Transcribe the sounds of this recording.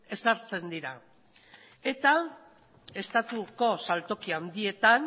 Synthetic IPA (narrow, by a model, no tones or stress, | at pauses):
e̞saɾt͡se̞nd̪iɾa | e̞t̪a | e̞st̪at̪uko̞salt̪o̞kiand̪ie̞t̪an